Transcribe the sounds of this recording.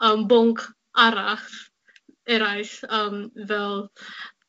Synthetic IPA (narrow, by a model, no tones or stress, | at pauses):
əmbʊŋkʰ | ʔaɾaχt | ɛɾajsəmvɛlˠ